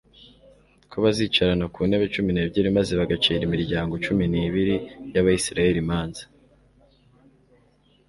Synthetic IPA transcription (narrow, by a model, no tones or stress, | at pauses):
kʰoβaziːt͡ʃaɾanakuːne̞ːβet͡ʃumineːbɟiɾimazeβaɡat͡ʃiːɾimiɾɟaːŋɡo̞t͡ʃuminiːβiɾijaβajisiɾaje̞ɾimaːnzḁ